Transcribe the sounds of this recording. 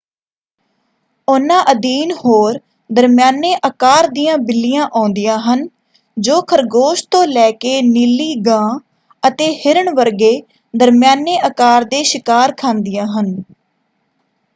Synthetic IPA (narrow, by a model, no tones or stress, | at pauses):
ʊnãːʔəd̪iːnhoːɾ | d̪əɾmjaːneːʔəkaːɾd̪ijãːbɪlːɪjãːʔãːnd̪ɪjãːɦən | d͡ʒoːkʰəɾɡoːʃt̪õːlɛːkeːniːliːɡãː | ət̪eːhɪɾəɳʋəɾɡeː | d̪əɾmɪjaːneːʔəkaːɾd̪eːʃɪkaːɾkʰãːnd̪ɪjãːɦən